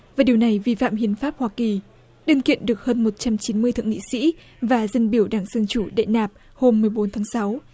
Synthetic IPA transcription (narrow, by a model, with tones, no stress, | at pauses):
vaː˨˩ɗi˨˩əwna˨˩jvi˧fa̰ː˧˨mhḭ˧˨ənfaː˦˥p̚hwaː˧ki˨˩ | ɗɨ˨˧˩nkḭ˧˨ənɗɨ˨˩ək̚həː˧nmo˨˩t̚t͡ɕa˧mt͡ɕi˨˦nmɨ˧əjt̪ʰɨ̰˧˨ŋḭ˧˨sḭ˧˥ | vaː˨˩zə˧nɓi˧˩əwɗaː˧˩ŋzə˧nt͡ɕu˧˩ɗḛ˧˨naː˨˩p̚ | ho˧mːɨ˨˩əjɓo˨˦nt̪ʰaː˨˦ŋsa˨˦w